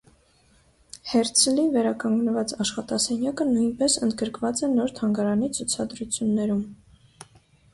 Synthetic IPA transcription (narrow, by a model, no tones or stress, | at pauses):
hɛɾt͡sʰlivɛɾɑkɑŋɡnəvɑt͡sɑʃχɑt̪ɑsɛnjɑkənujnpɛsənd̪ɡəɾkvɑt͡sɛnɔɾt̪ʰɑŋɡɑɾɑnit͡sʰut͡sʰɑd̪ɾut͡sʰjunːɛɾum